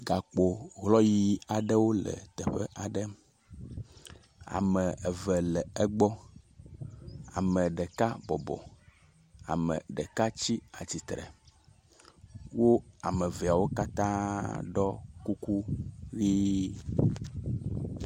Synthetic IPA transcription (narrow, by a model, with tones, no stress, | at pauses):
ɡa˨k͡po˨ɣlɔ˦ji˦a˨ɖɛ˦wo˦lɛ̰˨t̪ɛ˨ɸɛ˦ʔa˨ɖɛ˦ | a̰˨mɛ˨ɛ˨vɛ˨lɛ˨ɛ˦ɡ͡bɔ˦ | a̰˨mɛ̃˨ɖɛ˨ka˦bɔ˨bɔ̰˨ | a̰˨mɛ̰˨ɖɛ˨ka˦t͡ɕi˦a˨t͡ɕi˨t̪ɾɛ̰˨ | wo˦a˨mɛ˨vɛ˨a˨wo˦ka˦t̪ã˦ɖɔ˦ku˦ku˦ɣi˦